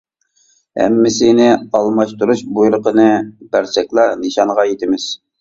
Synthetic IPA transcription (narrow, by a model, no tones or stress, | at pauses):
hæ̰mːɪsinɪɑlˠmɑʃt̪uɾuʃbujlˠəqʰənɨbæɾsɛkʲlˠɑɾnɨʃɑɴʁɑjet̪ɪmɪz̥